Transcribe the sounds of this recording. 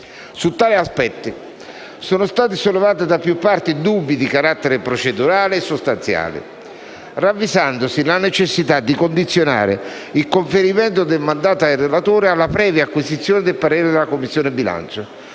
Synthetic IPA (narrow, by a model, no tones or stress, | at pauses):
sut̪ːaːliaspɛt̪ːɪ | soːnʊst̪aːt̪ɪsolːevaːt̪ɪd̪apjupːart̪id̪ubːid̪ikaɾat̪ːeɾɪpɾot͡ʃed̪uɾaːlɪːsːost̪ant̪sja̰ːlɪ̰ | ravːizand̪osilanet͡ʃesːit̪ad̪ːikond̪it̪sːjona̰ːɾɪ̰ilkoɱfeɾimɛnt̪od̪elmand̪aːt̪oajrelat̪oːɾɪalːapɾɛːvjaːkːwizit̪sːjoːnɪd̪elpaɾɛːɾɪd̪ɪlakomːisːjoːnɪbila̰nt͡ʃʊ